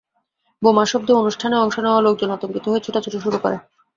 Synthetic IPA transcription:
bomaʃɔb̚d̪ʱoonuʃʈʰaneɔŋʃoneoalok̚d͡ʑonɔt̪omkit̪oɦoet͡ɕʰoʈat͡ɕʰoʈoʃuɾukɔ̰ɾe

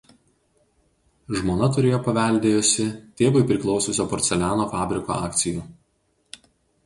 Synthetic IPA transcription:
ʒmoːnɐt̪ʊɾʲeːjoːpɐʋʲæˑlʲd̪ʲeːjʊsʲɪt̪ʲeːʋɐɪpʲɾʲɪklˠɒʊsʲʊsʲoːpɔːɾʲt̪sʲɛlʲæːnoːfɑːbʲɾʲɪko̰ːɑːkt̪sʲɪjuː

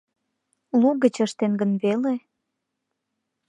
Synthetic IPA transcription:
luɣət͡ɕəʃt̪enɡənβele

